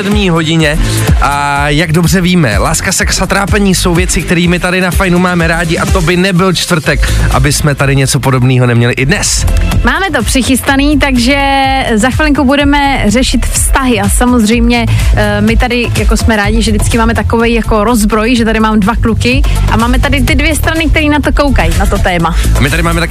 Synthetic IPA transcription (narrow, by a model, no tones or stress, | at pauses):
ɛdmɲiːɦo̞ɟɪɲɛ | ʔa | jaɡdo̞br̝ɛviːmɛ̰laːskasɛksat̪ɾaːpɛɲiːso̞wvjɛt͡sɪkt̪ɛɾiːmɪt̪adɪnafajnumaːmɛɾaːɟɪʔat̪obɪnɛbɪlt͡ʃt̪vr̩t̪ɛkʔa̰bɪsmɛt̪adɪɲɛt͡sopo̞do̞bniːɦo̞nɛmɲɛlɪʔɪdnɛsmaːmɛt̪̬o̞pr̝̥ɪxɪst̪aniːt̪aɡʒɛzaxvɪlɪŋkubudɛmɛrɛʃɪt̪fst̪aɦɪasamozr̝ɛjmɲɛmɪt̪adɪjako̞smɛɾaːɟɪʒɛdɪt͡skɪmaːmɛt̪akovɛjjako̞ɾo̞zbɾo̞jʒɛt̪adɪmaːmdvaklukɪ | ʔa̰maːmɛt̪adɪt̪ɪdvjɛst̪ɾanɪk̚t̪ɛɾiːnat̪o̞kowkajnat̪o̞t̪ɛːmaamɪt̪aɾɪmaːmɛt̪a